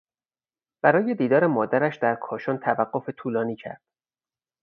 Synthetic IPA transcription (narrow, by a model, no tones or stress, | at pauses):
b̥æɾɒːje̞d̪iːd̪ɒːɾe̞mɒːd̪æɾæʃd̪æɾkʰɒːʃont̪ʰævæɢːofe̞t̪ʰuːlɒːniːcʰæ̰ɾd̪̥